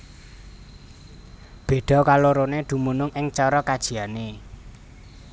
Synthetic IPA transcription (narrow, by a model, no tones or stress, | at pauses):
b̥e̤ɖ̪̥ɔ̤kaloɾoned̪̥ṳmunʊŋʔɪŋt͡ʃɔɾɔkad̥ʒ̥i̤ane